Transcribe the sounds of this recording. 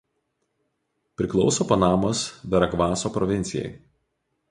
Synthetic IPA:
pʲɾʲɪklˠɒʊsoːpɐnɑːmosʋʲɛɾɐɡʋɑːsoːpɾɔʋʲɪnʲt̪sʲɪjɛ̰ɪ

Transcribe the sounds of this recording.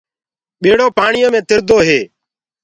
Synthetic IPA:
ɓeːɽoːpaːɳɪjõːmẽːt̪ɪɾd̪oːɦeː

